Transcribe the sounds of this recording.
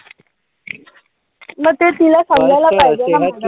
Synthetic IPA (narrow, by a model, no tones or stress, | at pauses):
məɡ̚t̪et̪ilasəŋɡajlapajd͡ʑaa